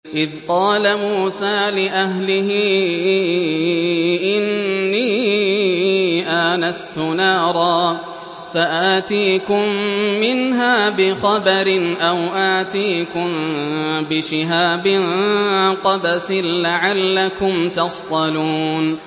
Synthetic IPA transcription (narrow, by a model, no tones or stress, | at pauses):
ʔɪðqɑːlamuːsaːlɪʔaɦlɪɦɪː | ʔɪnːiː | ʔanast̪ʊnɑːɾˤɑː | saʔaːt̪iːkʊmːɪnɦaːbɪxɑbɑɾɪnʔawʔaːt̪iːkʊmbɪʃɪɦaːbɪnqɑbasɪnlaʕalːakʊmt̪ɑst̪ˤɑluːn